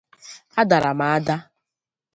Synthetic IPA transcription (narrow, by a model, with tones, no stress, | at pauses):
a˦da˨ɾa˨ma˨a˦da˦